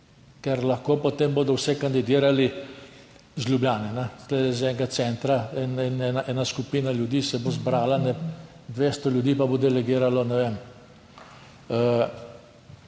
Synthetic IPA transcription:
kɛɾlɐxkoːpot̪eːmboːd̪ɔwsɛkand̪id̪iːɾali | zljublʲjaːnɛnɛsled̪ɛzɛŋɡat̪sɛːnt̪ɾaɛnɛnɛnaʔɛːnaskupiːnalʲjud̪iːsɛbozbɾaːlanɛ | d̪ʋeːst̪ɔljud̪iːpabod̪ɛlɛɡiːɾalɔnɛʋem | ə

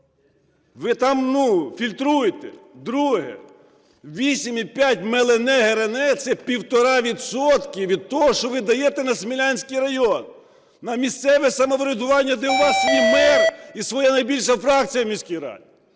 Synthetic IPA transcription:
ʋɪt̪ɑmnufʲilʲt̪ɾujet̪ɛd̪ɾuɦɛ̰ | ʋʲisʲimipʲjatʲmelˠenɛɦeɾenɛt̪sɛpʲiwt̪ɔɾɑʋʲid̪sɔt̪kʲɪʋʲid̪̚t̪ɔɦɔʃt͡ʃɔʋɪd̪ɐjet̪ɛnɐsmʲilʲɑnʲsʲkijɾɐjɔnː | ɐmʲist̪sɛʋɛsɐmɔʋɾʲɪd̪ʊʋɑnʲːɐd̪ɛʊʋɑsjʲimɛɾisʋɔjanɐjbʲilʲʃɐfɾɑk̚t͡sʲijɐmʲisʲkʲijɾɑ̰dʲi

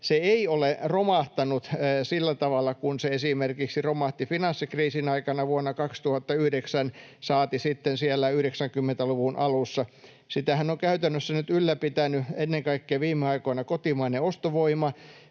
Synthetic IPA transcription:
seeioleromɑht̪ɑnut̪ːsilːæt̪ɑʋɑlːˑɑkunseesimerkiksiromɑht̪ifinɑnsːikriːsinɑikɑnɑʋuonːɑkɑkst̪uhɑt̪ːɑyhdeksænsɑːt̪isit̪ːensielːæyhɾeksæŋkymːent̪æluʋunʔɑlusːɑ | sit̪æhænoŋkæyt̪ænːøsːænyt̪ylːæpit̪ænyenːeŋkɑikːeːʋiːmːeɑikoinɑkot̪imɑineost̪oʋoimɑ

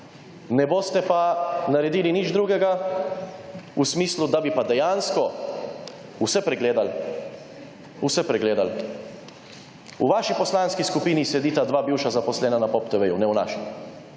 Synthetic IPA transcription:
nɛboːst̪ɛpanaɾɛd̪iːlinid͡ʒd̪ɾuːɡɛɡa | usmiːslud̪abipad̪ɛjanskɔ | usɛpɾɛɡleːd̪al | usɛpɾɛɡleːd̪al | ṵʋaːʃipɔslanskiskupiːnisɛd̪iːt̪ad̪ʋaːbiwʃazapɔslɛːnanapɔpt̪ɛʋejunɛwna̰ːʃa

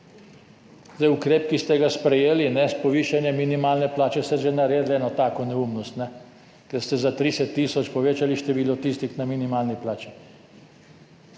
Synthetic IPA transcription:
zd̪ajukɾeːpkist̪ɛɡaspɾɛjeːlinɛspɔʋiːʃanjɛminimaːlnɛplaːt͡ʃɛsɛʒɛnaɾeːd̪lɛːnɔt̪aːkɔnɛumnɔst̪nɛ | kɛɾst̪ɛzat̪ɾisɛt̪ːiːsɔt͡ʃpɔʋeːt͡ʃaliʃt̪ɛʋiːlɔt̪iːst̪ixnaminimaːlniplaːt͡ʃi

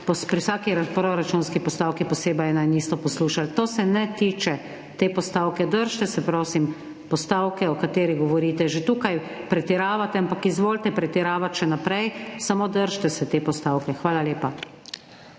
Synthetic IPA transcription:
pɔspɾiwsaːkiɾapɾoɾat͡ʃunskipɔst̪aːwkipɔseːbajɛnajniːst̪ɔpɔsluːʃalt̪oːsɛnɛt̪iːt͡ʃɛ | t̪eːpɔst̪aːwkɛd̪əɾʃt̪ɛsɛpɾoːsim | pɔst̪aːwkɛɔkat̪eːɾiɡɔʋɔɾiːt̪ɛʒet̪uːkaj | pɾɛt̪iɾaːʋat̪ɛampakizʋoːlt̪ɛpɾɛt̪iɾaːʋat̪ʃɛnapɾɛjsamoːd̪əɾʃt̪ɛsɛt̪eːpɔst̪aːwkɛxʋaːlalʲeːpa

